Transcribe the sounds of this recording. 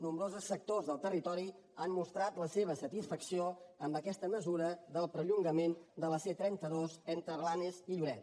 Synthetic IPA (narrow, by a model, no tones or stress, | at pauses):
numbɾozəsːək̚t̪ozðəlˠt̪ərit̪ɔɾi | ammust̪ɾat̪ləseβ̞əsət̪isfəksioəmbəkɛst̪əməzuɾəðəlˠpɾəʎuŋɡəmend̪ələset̪ɾɛnt̪əðozent̪ɾəβlaneziʎuɾɛt̪